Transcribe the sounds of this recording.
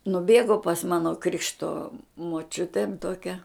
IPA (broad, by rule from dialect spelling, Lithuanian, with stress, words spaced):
nʊˈbʲeːɡoː pɐs ˈmɑːnoː ˈkrʲɪkʃtoː moːˈt͡ʃʲʊtʲeːn toːˈkʲɛ